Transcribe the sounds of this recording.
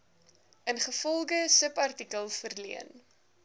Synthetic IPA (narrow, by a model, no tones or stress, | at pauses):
ənχəfɔlˠɡəsəpɐrtikəlˠfərlḭən